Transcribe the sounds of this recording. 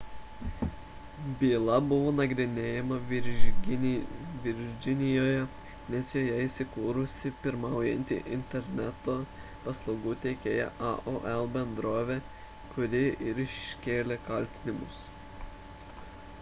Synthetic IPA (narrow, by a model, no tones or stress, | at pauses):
bʲiːlˠɐbʊʋoːnɐɡɾʲɪnʲeːjɛmɐɾʲ | ʋʲɪɾʲd͡ʒʲɪnʲɪjoːjɛ | nʲɛsjoːjɛiːˑsʲɪkuːɾʊsʲɪpʲɪɾmɑˑʊjɛ̰nʲt̪ʲɪ̰ʔɪ̰nʲt̪ʲɛɾʲnʲæt̪oː | pɐslˠɒʊɡuːt̪ʲɛɪkʲeːjɛ̰ʔɑ̰ʔoʔɛlˠbʲɛnd̪ɾoːʋʲeː | kʊɾʲɪɪɾɪʃʲkʲeːlʲekɐlʲt̪ʲɪnʲɪmʊ̰s